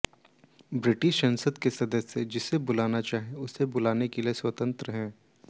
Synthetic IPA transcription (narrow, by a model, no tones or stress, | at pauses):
bɾɪʈɪʃːɐ̃nsəd̪kesɐd̪əsːed͡ʒɪsebʊlaːnat͡ʃaːɦeʊsːebʊlaːnekelieswət̪ə̃nt̪ɾəɦɛ̃ː